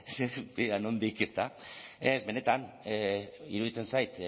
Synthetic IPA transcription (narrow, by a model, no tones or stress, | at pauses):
sebiðanond̪ikest̪aezβe̞ne̞t̪an | ḭɾuðit͡se̞nsajt̪